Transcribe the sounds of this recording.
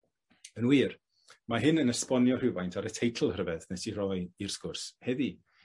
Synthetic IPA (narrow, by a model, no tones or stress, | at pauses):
ənwiːr | maɦɪnənəspɔnjɔr̥ɪvajntʰaɾətʰejtʰl̩ˠhrəvɛðnɛtʰirɔjir̥skʊrshɛði